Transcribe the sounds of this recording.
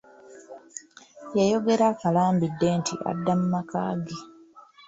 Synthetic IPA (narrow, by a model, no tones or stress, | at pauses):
jajo̞ɡe̞ɾaːkalaːmbidːe̞ːntʰiʔa̰dːamumakaːɡe